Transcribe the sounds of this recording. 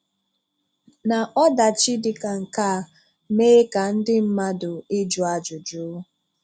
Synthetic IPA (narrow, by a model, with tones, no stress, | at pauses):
na˨ʔɔ˦da˨t͡ʃi˦dɪ˨ka˨ŋ̩˨ka˦˨ | meː˦ka˨n̩˦dɪ˦m̩˦ma˦dʊ˨ɪ˦d͡ʒʊ˨a˨d͡ʒʊ˨d͡ʒʊ˦